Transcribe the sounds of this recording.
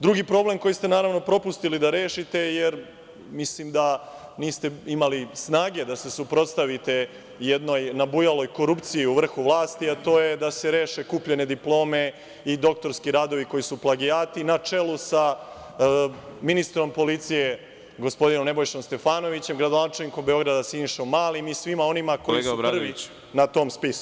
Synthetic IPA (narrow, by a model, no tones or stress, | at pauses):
d̪ɾuɡiːpɾo̞ble̞mko̞jist̪e̞naːɾaʋno̞pɾo̞pust̪ilid̪aɾe̞ːʃit̪e̞jeɾ | mislimd̪aniːst̪e̞imalisnaːɡe̞d̪ase̞supɾo̞t̪st̪aʋit̪e̞ | jed̪no̞jnabujalo̞jko̞ɾupt̪sijiuʋr̩xuʋlaːst̪iat̪o̞ːje̞d̪ase̞ɾe̞ːʃe̞kuːpʎe̞ne̞d̪iplo̞ːme̞ | id̪o̞k̚t̪o̞ɾskiɾaːd̪o̞ʋiko̞jisuplˠaɡijaːt̪inat͡ʂe̞lusa | minist̪ɾo̞mpo̞lit̪sije̞ | ɡo̞spo̞d̪ino̞mne̞bo̞jʃomst̪e̞faːno̞ʋit͡ɕe̞mɡɾad̪onat͡ʃe̞lniko̞mbeo̞ɡɾad̪asiniʃomːaːlimisʋimao̞nimakoljeɡ̪ɾpr̩ʋi | nat̪o̞ːmspisu